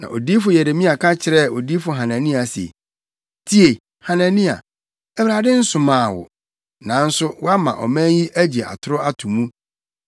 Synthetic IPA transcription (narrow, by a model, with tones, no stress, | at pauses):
nã̰˨o˨diː˦fʊ˨jɛ˨ɾe˨mĩ˦a˨kʰa˦t͡ɕʰɪ˨ɾɛ˦˨o˨di˦fʊ˨ɦã˨nã˨nĩ˦a˨sḛ˨ | tʰi˦e˨ | hã˨nã˨nĩ˦a̰˨ | ɛ˦wɾa˨dɪ˦n̩˦sʊ̃˨mãː˨wʊ̰˨ | nã˨˦n̩˦sʊ˦wʊ˦a˦mã̰˨ʔɔ̰˨mæ̃˦ji˦ʔæ˦d͡ʑe˨ʔa̰˨tʰʊ˦ɾʊ˦a˦tʰũ˨mũ˦